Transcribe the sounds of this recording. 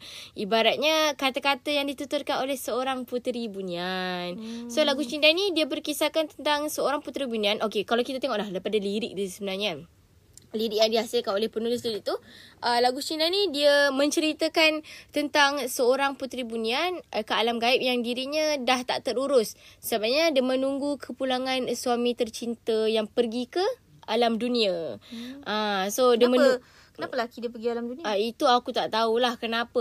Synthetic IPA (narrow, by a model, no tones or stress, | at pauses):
ʔibaɾat̪̚ɲəkat̪akat̪əjaŋdit̪ut̪ʊrkanolɛhsəoɾaŋput̪ɾibunĩansolaɡut͡ʃindanidiəbərkisakant̪ənt̪aŋsəoɾaŋput̪ɾibunianʔokekalawkit̪at̪eŋɔʔlahdajpadaliɾɪk̚disəbənarɲə | liɾɪk̚jaŋdiasɪlkanolɛhpənulɪs̬diɾit̪uʔəlaɡut͡ʃindanidiəmə̃ɲt͡ʃəɾit̪əkant̪ənt̪aŋsəoɾaŋput̪ɾibuniankəalamɡaɪp̚jaŋdiɾiɲədaht̪a̰ʔt̪əɾuɾʊssəbap̚ɲədiəmə̃nuŋɡukʰəpulaŋanswamĩt̪ərt͡ʃint̪əjaŋpərɡikə | ʔalamdunĩaʔasodiəmə | kənapəlakidiəpərɡialamduniait̪uakut̪aʔt̪aulahkənapə